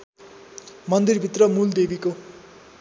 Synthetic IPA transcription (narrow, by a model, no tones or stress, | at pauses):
mʌnd̪irbʱit̪rʌmuld̪ebʱiko